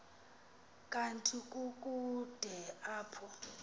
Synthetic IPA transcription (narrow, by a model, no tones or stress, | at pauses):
kʼantʼʰikʼuk̬ʼud̥ʱɛaːpʰɔ